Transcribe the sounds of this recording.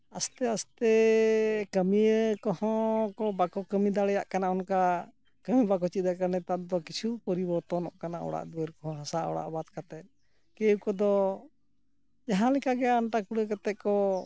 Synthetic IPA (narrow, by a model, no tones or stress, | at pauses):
ast̪ɛast̪ɛ | kəmiəkɔhɔ̃kɔbakɔkəmid̪aɽɛjaʔkanaɔnka | kəmibakɔt͡ʃit̪̚d̪akaɾnɛt̪aʔd̪ɔkit͡ʃʰupəɾibɔɾt̪ɔnɔʔkanaʔɔ̰ɽa̰ʔd̪uwəɾkɔɦɔ̃ɦãsaɔ̰ɽa̰ʔbad̪̚kat̪ɛt̪̚ | keukɔd̪ɔ | jaɦãlɛkaɡɛaɳʈakuɽəkat̪ɛʔkɔ